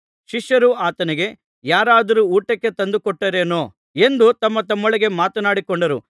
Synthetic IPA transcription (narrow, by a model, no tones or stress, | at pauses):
ʃiʂjɐɾuaːt̪ɐniɡe̞ | jaːɾaːd̪ɐɾuuːʈɐkːe̞t̪ɐnd̪ukɔʈːɐɾeːnoː | e̞nd̪ut̪ɐmːɐt̪ɐmːoɭiɡe̞maːt̪ɐnaːɽikɔɳɖɐɾu